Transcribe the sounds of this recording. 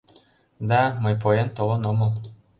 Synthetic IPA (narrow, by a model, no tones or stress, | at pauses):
d̪ɑmɤjp̬ojent̪olˠɤ̆nomɤl